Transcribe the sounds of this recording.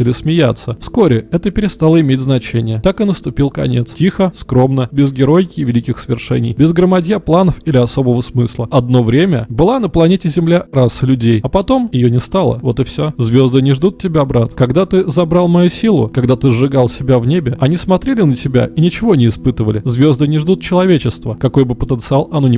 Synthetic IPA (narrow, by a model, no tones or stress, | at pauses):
ɪlʲɪsmʲɪjat̪sːəfskoɾʲɪɛt̪əpʲɪɾʲɪst̪alˠəɪmʲetʲznɐt͡ɕenʲɪjət̪akɨnəst̪ʊpʲilˠkɐnʲet̪stʲixəskɾo̞mnəbʲɪzɡʲɪɾo̞jkʲɪvʲɪlʲikʲɪxsəvʲɪrʂɛ̰nʲɪjbʲɪzɡɾəmɐdʲjaplˠanəfilʲɪɐso̞bəvəsmɨslˠəɐd̪no̞vɾʲemʲəbɨlˠanəplˠɐnʲetʲɪzʲɪmlʲarasɨlʲʉdʲejɐpɐt̪o̞mjɪjonʲɪst̪alˠə̰vo̞t̪ɨfsʲozvʲo̞zd̪ɨnʲɪʐd̪ut̪̚tʲɪbʲabɾat̪kɐɡd̪at̪ɨzɐbɾalˠmɐjusʲilˠʊ̰kɐɡd̪at̪ɨzʐɨɡalˠsʲɪbʲavnʲebʲɪɐnʲismɐt̪ɾʲelʲɪnətʲɪbʲa̰ʔinʲɪt͡ɕɪvo̞nʲɪːspɨt̪əvəlʲɪzvʲo̞zd̪ɨnʲɪʐd̪ut̪̚t͡ɕɪlˠɐvʲet͡ɕɪst̪vəkɐko̞jbɨpət̪ənt̪sɨalˠɐno̞nʲɪ